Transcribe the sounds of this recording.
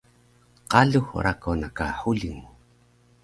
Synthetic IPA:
qaɮuxṵɾakʰonakaħuɮiŋu

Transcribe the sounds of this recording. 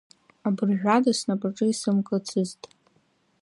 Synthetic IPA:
abɨrʒᶣʷadasnabʼaʈ͡ʂʼɨisɨmkʼt͡sʰɨztʼ

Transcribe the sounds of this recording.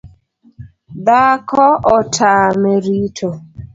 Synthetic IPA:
dakɔʔɔtʰameɾitʰo

